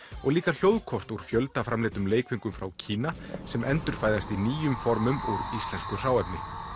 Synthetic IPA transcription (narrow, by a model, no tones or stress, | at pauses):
ɔɣliːkal̥jowðkʰɔr̥t̪uɾ̥fjœlt̪afɾamlɛːt̪ʏmleːjkviŋkʏmfɾawcʰiːnasɛmɛnt̪ʏɾ̥faːjðast̪iniːjʏmfɔɾmʏmuɾist̪lɛnskʏr̥aːwɛp̪nɪ